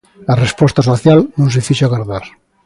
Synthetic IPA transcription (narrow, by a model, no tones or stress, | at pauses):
larespɔst̪asoθjalnũŋs̬efiʃoaɣaɾðaɾ